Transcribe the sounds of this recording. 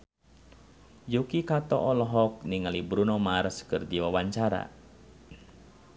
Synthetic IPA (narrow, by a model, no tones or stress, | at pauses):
jukikat̪ɔ̰ʔɔlɔɦɔk̚niŋalibɾunɔmarskɨrdiwawaɲt͡ʃaɾa̰